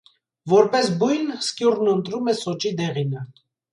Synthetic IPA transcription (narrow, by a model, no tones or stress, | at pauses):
vɔɾpɛsbujnskjuɾnənt̪ɾumɛsɔt͡ʃid̪ɛʁinə